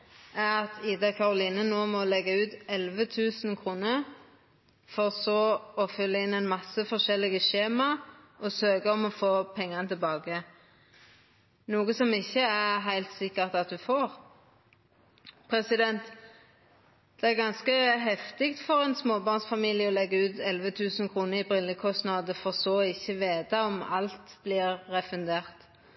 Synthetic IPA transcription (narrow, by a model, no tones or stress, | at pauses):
æʁɑt̪iːd̪ɑkʰɑʁʊliːnənoːmɔlɛɡəʉːt̪ɛlʋət̪ʰʉːsn̩kʰʁuːnə | fɔʁsɔɔfʏlːəɪnːɛɪnmɑsəfɔʁʃɛlːɪɡəʃeːmɑɔsøːɡəɔmɔfoːpʰɛŋːənət̪ʰɪlbɑːɡə | nuːɡəsɔmɪçːəæʁɦæɪlt̪sɪkːəʁt̪ɑt̪̚d̪ʉfoːʁ | pʰɾɛsɪd̪ɛnt̪ | d̪̥ɛæʁɡɑnskəɦɛft̪ɪkt̪fɔʁɛnsmoːbɑʁnsfɑmiːlɪjəɔlɛɡːəʉːt̪ɛlʋət̪ʰʉːsn̩kʰʁuːnəɪbʁɪlːəkʰɔst̪nɑːd̪əfɔʁsoːɪçːəʋeːt̪ɑɔmɑ̰lt̪blɪʁːɛfʉnd̪eːʁt̪